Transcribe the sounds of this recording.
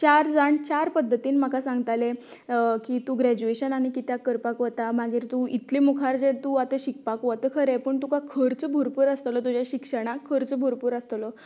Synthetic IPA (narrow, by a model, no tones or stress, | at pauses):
t͡ɕaɾd͡zaɳt͡ɕaɾpəd̪ʱːət̪iːnm̤akasãŋɡt̪ale | kit̪uːɡɾæd͡ʑueɕənaɽ̃ikit̪jakəɾpakʋət̪amaɡiːɾt̪uit̪limukʰaɾd͡zet̪uat̪eɕik̚pakʋat̪əkʰəɾepəɳt̪ukakʰəɾt͡səbʱuɾpuːɾəst̪lət̪ud͡ʑjaɕikʂəɽ̃akʰːəɾt͡səbʱuɾpuːɾəst̪lɔ